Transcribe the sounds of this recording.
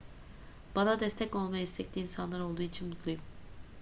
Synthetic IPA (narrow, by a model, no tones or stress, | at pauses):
b̥anad̪ɛst̪ʰɛco̞lˠmajaist̪ʰɛc̚lʲiːnsanlˠaɾo̞lˠd̪uːit͡ʃʰinmut̪lˠujum